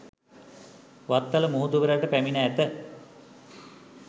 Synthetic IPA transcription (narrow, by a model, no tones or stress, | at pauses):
ʋat̪ːaləmuɦut̪uʋəɾaʈəpæminaːt̪ə